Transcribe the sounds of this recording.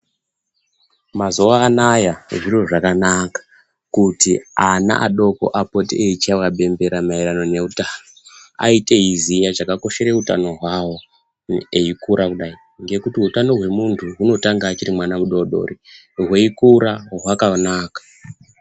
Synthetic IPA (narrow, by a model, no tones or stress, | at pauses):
mazo̞ʋaːnajaʐiro̞ʐakanakḁ | kutiana̰ʔa̰ɗo̞ko̞̰ʔapo̞tieit͡ʃawaɓe̞mbe̞ɾamaiɾano̞ne̞utanoa̰ite̞ɦizijaʐakako̞ʃe̞ɾe̞uta̰no̞ɦwawo̞ | eikuɾakuɗai | ŋɡe̞kutiɦutano̞ɦwe̞muntʰuɦuno̞taŋɡaːt͡ʃirimwanamuɗo̞ɗo̞̰ri | ɦweikuɾaɦwakanaːkḁ